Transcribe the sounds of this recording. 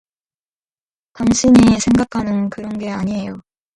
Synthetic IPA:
taŋɕʰiɲisʰe̞ŋɡakʰanɯnkɯɾʌnɡe̞aɲiɦe̞jo

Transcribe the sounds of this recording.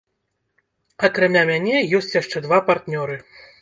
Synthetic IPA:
ɐkɾamʲamʲanʲɛjɔsʲt͡sʲjaʂt͡ʂɛd̪vapart̪nʲɔɾɨ

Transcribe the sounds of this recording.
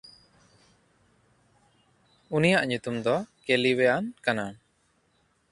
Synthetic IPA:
unijaʔɲut̪umd̪ɔkɛliwɛjankana

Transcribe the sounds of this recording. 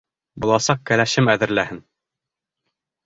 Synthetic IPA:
bulˠɑsɑq̚kælæʃɘmæðɘ̆ɾlæhɘn

